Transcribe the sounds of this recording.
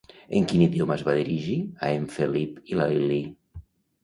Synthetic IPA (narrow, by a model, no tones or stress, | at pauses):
ḛŋkiniðiomazβaðiɾiʒiaeɱfelipilalili